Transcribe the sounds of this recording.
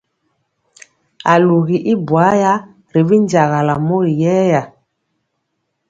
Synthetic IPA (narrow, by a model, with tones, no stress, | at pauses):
a˨lu˨ɣi˨ʔi˦bwa˨˦ja˦ | ɾi˨vi˦n˦d͡ʒa˨ɣa˨la˨mo˦ɾi˨jɛː˦ja˨